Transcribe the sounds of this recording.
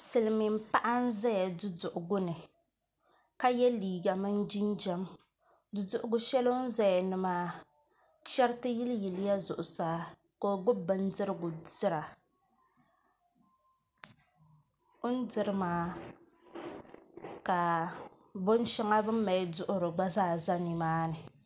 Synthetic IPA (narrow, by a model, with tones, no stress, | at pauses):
sɨ˨lɨ˨mi˨m̩˦pa˦ʔa˦n̩˦za˦ja˨dʊ˦dʊ˨ʔʊ˨ɡʊ˦nɨ˨ | ka˦jɛ˦liː˨ɡa˨mɨ˦n˦d͡ʒi˦nd͡ʒɛ˦m | dʊ˨dʊ˨ʔʊ˨ɡʊ˨ʃɛ˦lo˦n̩˦za˦ja˨nɨ˨maː˦ | ʃɛ˦ɾtɨ˦ji˦lji˨lɪ˦ja˦zʊ˨ʔʊ˨saː˦ | ko˦˨ɡ͡bʊ˦bɨ˦n˦dɨ˦ɾɨ˦ɡʊ˨dɨ˦ɾa˨ | ʊ˦n˦dɨ˨ɾɨ˦maː˨˦ | ka˨ | bo˦n˦ʃɛ˦ŋa˦bɨ˦m̩˦ma˨jdʊ˦ʔʊ˦ɾɨ˨ɡ͡ba˦zaː˦˨za˦ni˨maː˦nɨ˨